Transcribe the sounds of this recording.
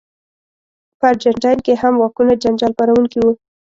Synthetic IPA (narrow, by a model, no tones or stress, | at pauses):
paɾd͡ʒaɳʈajnkehamwɑkunad͡ʒand͡ʒɑlpaɾawuŋkiwu